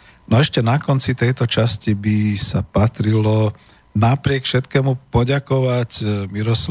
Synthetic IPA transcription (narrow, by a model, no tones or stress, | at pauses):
nɔɛʃcɛnakɔnt͡sit̪ɛjt̪ɔt͡ʃascibisapat̪ɾilɔ | napɾɪɛkfʃɛt̪kɛːmupɔɟakɔʋacmiɾɔs